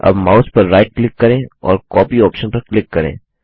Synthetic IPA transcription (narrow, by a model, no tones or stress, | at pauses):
ɐ̰bmaːʊspɐɾːaːɪʈ̚klɪkːɐɾẽːɔ̰ːɾkɔːpiɔːpʃənpɐɾklɪkːɐɾḛ̃ː